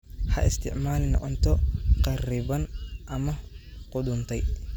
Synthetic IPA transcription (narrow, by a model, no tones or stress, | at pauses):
hɐʔɪst̪ʰɪʕmaːlɪnɐ̰ʔɔnt̪ʰɔqɐriːbɐnʔɐmɐqʊd̪ʊnt̪ʰɐj